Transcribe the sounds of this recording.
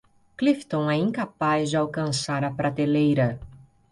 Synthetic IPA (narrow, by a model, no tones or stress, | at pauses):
klift̪õɛĩŋkapazd͡ʒɪawkɐ̃saɾɐpɾat̪elejɾɐ